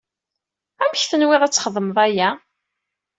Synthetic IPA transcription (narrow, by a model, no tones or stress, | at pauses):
æmçθənwɪðˤæt͡sːχəðˤːəməðˤæjæ